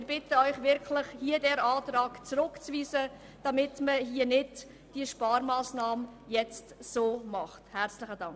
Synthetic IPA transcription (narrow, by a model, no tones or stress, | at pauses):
ɪɾb̥ɪtəœʏχʋɪɾkʰlɪχhiədɛɾɑːtɾɑːɡ̥t͡sɾʊkt͡sviːsə | d̥ɑmɪtməɦiənɪd | d̥iəʃpɑːɾmɑːsnɑːmjɛt͡stsoːmɑχthæɾt͡slɪχədɑŋ